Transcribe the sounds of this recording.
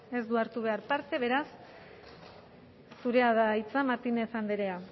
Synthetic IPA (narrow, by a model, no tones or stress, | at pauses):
e̞zd̪uaɾt̪uβ̞e̞aɾpaɾt̪e̞βe̞ɾas | uɾe̞aðait͡samaɾt̪ine̞θand̪eɾea